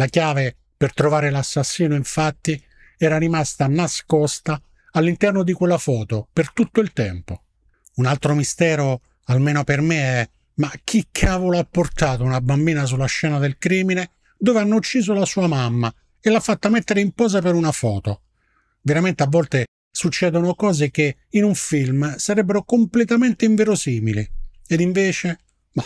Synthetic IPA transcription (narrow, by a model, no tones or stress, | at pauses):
lakjaːve | pert̪ɾovaːɾelasːasːiːnoiɱfat̪ːi | ɛːɾaɾimast̪anaskɔst̪aː | lːint̪ɛrnod̪ikwelːafɔːt̪opert̪ut̪ːoilt̪ɛmpo | unalt̪ɾomist̪ɛːɾo | almeːnopermeɛ | mak̟ːikʰaːvoloapːort̪aːt̪ounabambiːnas̬ulːaʃːɛːnad̪elkɾiːmine | d̪oːveanːout͡ʃːiːzolasuːamamːa | elːafːat̪ːamet̪ːeɾeimpɔːzapeɾunafɔːt̪o̰ | veɾament̪eavːɔlt̪e | sut͡ʃːɛːd̪onokɔːzek̟e | inuɱfilmsaɾɛbːeɾokomplet̪ament̪eɪiɱvɛɾosiːmili | ed̪iɱveːt͡ʃe | ma